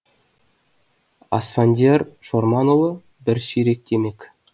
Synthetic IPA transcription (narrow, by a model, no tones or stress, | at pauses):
ɑ̰sfanʲdʲerʃormɑnolˠɤ̆ | bɘɾɕiɾʲek̚t̪ʲʰemʲekʲ